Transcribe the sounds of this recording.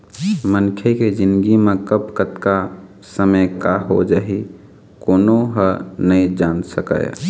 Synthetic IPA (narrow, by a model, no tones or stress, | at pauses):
mənkʰeked͡ʒɪnd̪ɡimekəbkət̪ka | səməjkaɦo̰d͡ʒaːɦi | koːnoɦənəid͡ʒansəkə̰j